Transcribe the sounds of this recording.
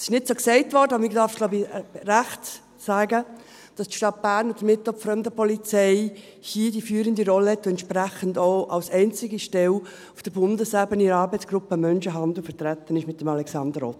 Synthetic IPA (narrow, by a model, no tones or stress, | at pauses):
sɪ̥ʃnɪtsoːksɛɪtvɔɾdəɑbəɪɡd̥ɑɾfɡ̥loʊbiɾæχt | sæːɡə | d̥ɑstʃtɑt̚b̥æːɾnod̥əmɪtɔpfɾœmdəpʰɔlit͡sɛɪ | hiːdifyːɾəndiɾɔlːəhɛt̪ːʊɛntʃpɾæχəndoʊʔɑlsɛɪnt͡sɪɡiʃtɛl | ʊfd̥əbʊndəslæːbəniɑːɾbɛɪt͡sɡ̥ɾʊpːəmœnʃəɦɑnd̪l̩fəɾtɾæt̪ːənɪʃmɪt̚ːəmɑlɛksɑndəɾɔt